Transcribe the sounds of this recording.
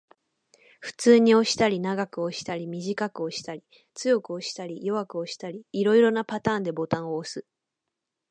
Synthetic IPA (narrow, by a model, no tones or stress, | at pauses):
ɸɯ̟̥t͡sɨːɲ̟io̞ɕi̥t̪aɾʲinaɡakɯ̟o̞ɕi̥t̪aɾʲimʲiʑikakɯ̟o̞ɕi̥t̪aɾʲi | t͡sɨjo̞kɯ̟o̞ɕi̥t̪aɾʲijo̞βakɯ̟oɕi̥t̪aɾʲiːɾo̞iɾo̞napat̪aːnd̪e̞bo̞t̪ãɰ̃o̞ːsɨ